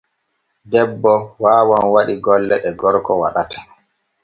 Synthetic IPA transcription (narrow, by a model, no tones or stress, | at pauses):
dɛbːɔwaːwanwaɗiɡɔlːɛɗɛɡɔɾkɔwaɗatḁ